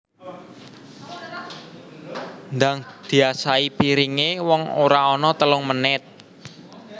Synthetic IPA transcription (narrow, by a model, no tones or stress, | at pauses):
nd̪aŋd̪̥i̤asaipiɾiŋewɔŋoɾaɔnɔt̪əlʊŋmənɪt̪̚